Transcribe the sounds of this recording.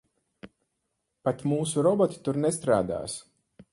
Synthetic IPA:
pat̪muːsuɾɔbɔt̪i̥t̪uɾnɛst̪ɾa̰ːd̪a̰ːs

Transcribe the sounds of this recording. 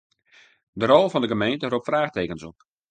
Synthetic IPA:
dəɾɔlˠvɔndəɡəmejntəroptfraːxteːkənsɔp

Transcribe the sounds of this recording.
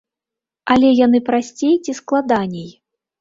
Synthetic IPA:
alʲɛjan̪ɨpɾasʲt͡sʲejt͡sʲisklˠad̪anʲɛj

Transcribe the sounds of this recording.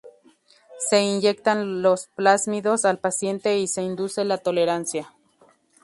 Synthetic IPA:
seinjekt̪anlosplasmiðosalpasjent̪eiseind̪uselat̪oleɾansja

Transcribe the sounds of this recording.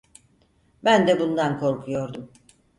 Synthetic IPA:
bænd̪ɛbund̪ankʰo̞ɾkʰujo̞ɾd̪um

